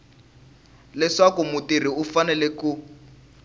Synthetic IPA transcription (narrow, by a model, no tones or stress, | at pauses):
lɛʂakumutiriufanɛlɛku